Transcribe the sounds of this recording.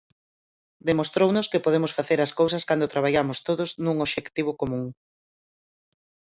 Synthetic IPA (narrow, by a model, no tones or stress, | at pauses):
d̪emost̪ɾownʊskɪpoðemʊsfaθeɾɐskowsɐskand̪ʊt̪ɾaβaʎamʊst̪oðʊznũŋoβʃekt̪iβ̞ʊkomũŋ